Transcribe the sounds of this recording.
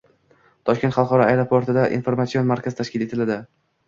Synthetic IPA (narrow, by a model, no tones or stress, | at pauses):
t̪ʰɒʃk̪ʲt̪χɑlˠqɒɾɒajɾopʰoɾt̪ʰɪd̪aʔḭnfoɾmat̪sio̞nmaɾkʲazɪt̪ʰaʃkʲɪle̞t̪ʰɪlad̪ɪ